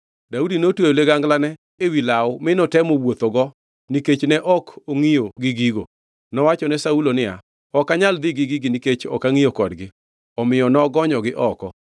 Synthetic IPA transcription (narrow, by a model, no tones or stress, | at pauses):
daudinotweoleɡaŋɡlanɛ | ewilaʊmɪnɔtɛmowot̪oɡɔ | niket͡ʃnɛʔɔkoŋijoɡɪɡiɡo̰ | nɔwat͡ʃɔnɛsaulonɪa̰ | ɔkaɲald̪ɪɡɪɡɪɡɪniket͡ʃɔ̰kaŋijokɔdɡɪ | ɔmɪjɔnɔɡɔɲɔɡɪʔɔkɔ